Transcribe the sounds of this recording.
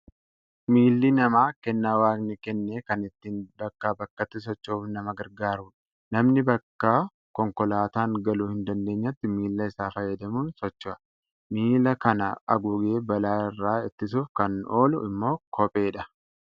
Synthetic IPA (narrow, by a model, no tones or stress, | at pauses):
miːlːɪnɐmaːkɛnːaːwaːɡnɪkɛnːeːkɐnɪt̪ːiːnbɐkːabɐkːɐt̪ːɪs̬ɔt͡ʃːoːfnɐmɐɡɐɾɡaːɾuːᶑɐ̥ | nɐmnɪbɐkːa | kɔŋkɔlaːt̪aːŋɡɐluːhɪnd̪ɐnd̪e̞ːɲːɐt̪ːɪmiːlːɐɪsaːfɐjːɐd̪ɐmuːnsɔt͡ʃːɐ | miːlɐkɐnɐɐ̰ɡuːɡeːbɐlaːɪrːaːɪt̪ːɪsuːfkɐnoːlʊʔɪmːo̞ːkʰɔpʼe̞ːᶑɐ